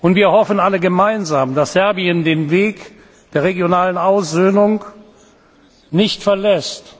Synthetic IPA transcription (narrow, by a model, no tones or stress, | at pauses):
ʔʊntv̥iːɐhɔfn̩aləɡəmaɪnzaːmd̥asz̥ɛɐbiəndeːnveːk | d̥eːɐʁeɡjonaːlənaʊszøːnʊŋ | nɪçtfɛɐlɛst